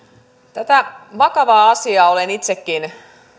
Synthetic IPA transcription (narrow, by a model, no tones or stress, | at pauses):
t̪æt̪æʋɑkɑʋɑːɑsiɑolenit̪sekːin